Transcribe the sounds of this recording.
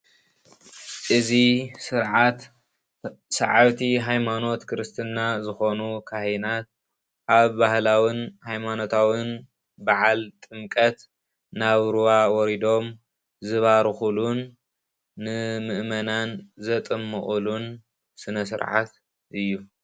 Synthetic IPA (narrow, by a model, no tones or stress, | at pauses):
ʔɨzisɨɾʕat̪ | sɐʕaβt̪ʰiɦajmano̞t̪kʰɨɾɨst̪ʰɨnːazɨxo̞nukʰahinat̪̚ | ʔaβbahlawinhajmano̞t̪ʰawɨn | baʕalt̪ʼɨmkʼɐt̪ | naβɾuwawɔɾid̪o̞m | zɨβaɾɨxulunː | ɨmɨʔmɐnanzɐt̪ʼɨmːɨχʼulun | sɨnɐsɨ̰ɾʕa̰t̪ | ʔɨjːu